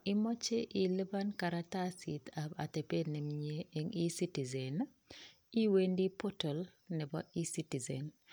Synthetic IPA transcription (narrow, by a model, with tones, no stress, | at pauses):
i˦mɔ˦t͡ʃe˦ʔi˨lə˦ba˦nka˨ɾatasit̪aba̰˨te˨pe˦dnɛ˨mɲe˦e˦ŋi˦si˦ti˨zɛ˨n | i˦we˦ndi˦po˦tɔ˨l | nɛ˨bɔʔi˦si˦ti˨zɛn